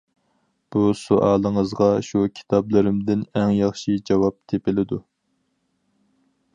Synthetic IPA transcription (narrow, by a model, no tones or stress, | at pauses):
b̥usuʔɑːlˠəŋəzʁɑʃukʲʰi̥t̪ʰɑblˠɨɾɪmd̪ɪnɛŋjɑχʃid͡ʒɑwɑp̚t̪ʰepɪlɪd̪u